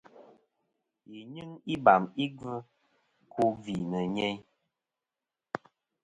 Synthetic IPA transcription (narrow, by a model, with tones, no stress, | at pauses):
ji˨ɲɨ˦ŋi˦ba˨mi˦ɡɨ˦ | kʰu˦vi˨nə˨ɲe˦ɲ